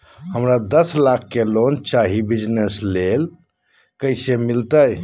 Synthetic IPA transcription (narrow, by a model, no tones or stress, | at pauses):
həmɾad̪əslakʰːelont͡ʃaɦibid͡ʒneslel | kəsemilt̪əj